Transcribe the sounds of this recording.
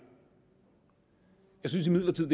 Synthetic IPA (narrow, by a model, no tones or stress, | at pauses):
jɑ̈ɪsynsimið̰ˠlɐt͡sʰið̰̥ˠe